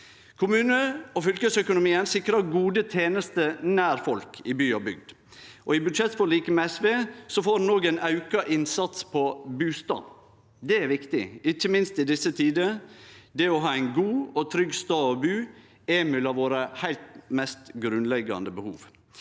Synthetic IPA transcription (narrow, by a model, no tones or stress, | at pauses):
kʰʊmʉːnəɔfʏlkəsœkʊnʊmiːənsɪkɾɑɡuːd̪ət̪ʰeːnəst̪ənæːɾfɔlkʰɪbyːɑbʏ̰ɡ̚d̪ | ʔɔɪbʉd̪ʃɛt̪fɔɭiːkəmɛɛsʋeːsɔfoːɾnːoːɡænɑʉkɑʔɪnsɑt̪spʰɔbʉːst̪ɑ̰ːn | d̪ɛæɾʋɪkt̪ɪ̰ɪçːəmɪnst̪ɪd̪ɪsːət̪ʰiːd̪əd̪ɛɔɦɑːæɪnɡuːɔt̪ʰɾʏɡst̪ɑːɔbʉː | ɛmʉlɑʋoːɾəhæɪlt̪mɛst̪ɡɾʉnlɛɡɑ̰nd̪əbəhṵːʋ